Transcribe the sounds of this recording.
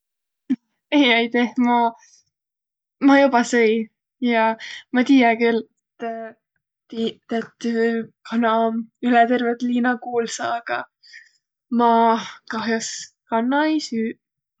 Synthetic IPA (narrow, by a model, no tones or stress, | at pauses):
ejɑjt̪ehmɑ | mɑjubɑsɤj | jɑmɑt̪ijɑkyl | t̪ | t̪iet̪ːykʰɑnɑmylɛt̪e̞rvet̪liːnɑkuːlsɑːɡ̥ɑ | mɑkɑɦjos | kɑnːɑejsyː